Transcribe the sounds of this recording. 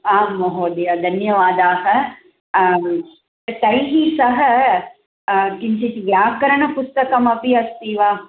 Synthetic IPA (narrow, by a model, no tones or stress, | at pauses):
aːmːɐɦoːd̪ijad̪ʱɐnjɐʋaːd̪aːɦɐ̆ | t̪ɐt̪ɐiɦiːsɐɦɐ̆ | kɪmsʰet͡ʃiʋjaːkɐɾɐɳ̃ɐpʊst̪ɐkɐmɐpiɐst̪iːʋaː